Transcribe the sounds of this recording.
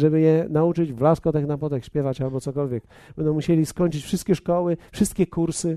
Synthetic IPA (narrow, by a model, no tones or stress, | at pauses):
ʐɛbɘjɛnaut͡ʂɘd͡ʑvlaskɔt̪ɛknapɔt̪ɛxɕpʲjɛvat͡ɕalbɔt̪sɔkɔlvʲjɛk | b̥ɛnd̪̃w̃muɕelʲiskɔɲt͡ʂɘt͡ɕfʂɨst̪̚kʲɛʂkɔwɘfʂɨst̪kʲɛkuɾsɘ